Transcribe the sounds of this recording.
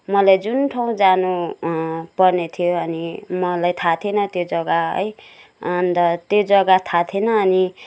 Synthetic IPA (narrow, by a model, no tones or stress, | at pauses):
mʌlajd͡zunʈʰaw̃d͡zanu | pʌrnet̪ʰijoʌnimʌlajt̪ʰat̪ʰenʌt̪jod͡zʌɡaʌ̰j | ʌnt̪ʌt̪jod͡zʌɡat̪ʰat̪ʰenʌːni